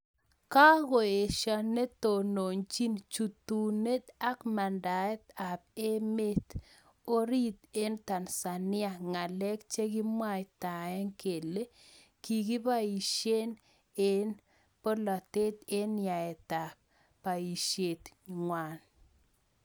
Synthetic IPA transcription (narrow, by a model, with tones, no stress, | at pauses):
ka˦ɣo˨e˨ʃa˨ne˦t̪o˨no˨nt͡ʃi˦nt͡ʃu˨t̪u˨ne˦t̪a˦kma˨nda˨ɛ˦t̪a˨p̚e˦me˦t̪ | o˦ɾi˦t̪e˦nt̪a˨nsa˨nɪ˦a˨ŋa˨lɛ˦kt͡ʃe˦ɡi˦mwa˦jta˨ɛ˦ŋke˨le˦ | ki˨ɡi˦pa˦i˨ʃe˦n | e˦n | po˦la˨te˦t̪e˦nɪa˨ɛ˨ta˨k̚ | pa˨i˨ʃe˨t̪ŋwa˨n